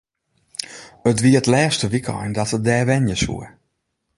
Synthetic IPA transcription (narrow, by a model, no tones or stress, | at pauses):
ətʋiətlɛːstəʋikʰɔ̰jndɔtət̚dɛːʋɛnjəsṵə